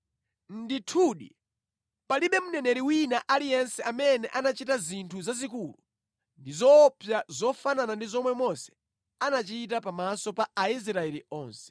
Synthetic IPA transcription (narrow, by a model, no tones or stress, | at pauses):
n̩ditʰuːɗḭ | paliɓɛmunɛnɛɾiwinaʔalijɛnsɛʔamɛnɛʔanat͡ʃitazintʰuzazikulu | ndizɔpʰjazɔfananandizɔmwɛmɔsɛ̥ | anat͡ʃit̬apamasɔpaais̬ɾaɛliɔːnsɛ̥